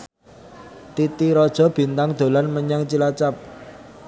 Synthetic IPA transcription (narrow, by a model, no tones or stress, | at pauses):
t̪it̪iɾɔd̥ʒ̥ɔ̤b̥i̤nt̪aŋd̪̥o̤lanməɲaŋt͡ʃilat͡ʃap̚